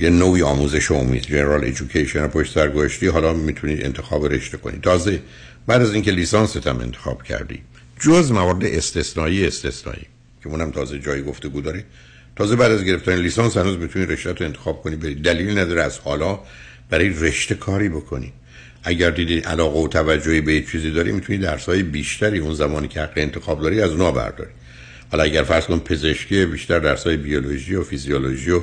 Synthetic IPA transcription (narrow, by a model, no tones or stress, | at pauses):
jenoːiːɒːmuːzeʃoo̰mḭd̪̥d͡ʒeneɾɒlḛd͡ʒukʰejʃenopʰoʃtsæɾɡozæʃt̪iːɦɒːlɒːmiːt̪ʰuniːḛnt̪ʰe̞xɒːbeɾe̞̰ʃt̪ekʰo̞nḭt̪ʰɒːze | bæːd̪æziːŋcʰe̞liːsɑːnset̪ʰæmḛnt̪ʰexɒːb̥cʰæ̰ɾd̪ḭː | d͡ʒozmævɒːɾed̪eʔest̪e̞snɒːiːeest̪e̞snɒ̰ːʔḭː | cʰeuːnæmt̪ʰɒːzed͡ʒɒːjiɡo̞ft̪e̞ɡuːd̪ɒːɾi | t̪ʰɒːzebæːd̪æzɡe̞ɾeft̪æɾinliːsɑnshænuːzmit̪ʰuniɾe̞ʃɾæt̪ɾoent̪exɒːb̥̚kʰo̞niːbed̪id̪æliːlinæd̪ɒːɾeæz̥hɒːlɒː | b̥æɾɒːjere̞ʃt̪e̞kʰɒːɾiːbo̞kʰonḭ | ʔæɟæɾd̪iːd̪iʔælɒːɣeot̪ʰævæd͡ʒːohiːbejet͡ʃʰiːziːd̪ɒːɾḭmit̪ʰuniːd̪æɾsɒːjebiːʃt̪ʰæɾiːunzæmɒːniːcʰehæɡːeent̪ʰe̞xɒːbd̪ɒːɾiæzuːnɒːbæ̰ɾd̪ɒ̰ɾi | vælɒæɟæɾfæɾz̥kʰonipʰe̞ze̞ʃciebiːʃt̪æɾd̪æɾsɒːjebioloʒiːjofizijoloʒijo